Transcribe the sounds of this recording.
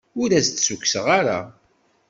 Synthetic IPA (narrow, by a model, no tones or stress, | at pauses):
ʊɾæst̪sukːsəʁaɾa̰